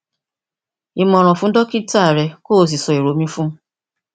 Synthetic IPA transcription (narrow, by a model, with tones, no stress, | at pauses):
i˨mɔ̃˨ɾ̃ɔ̃˨fũ˦n̩˦dɔ˦ki˦ta˦˨ɾɛ˧ko˦˨s̬i˨sɔ˨i˨ɾo˨mĩ˦fũ˦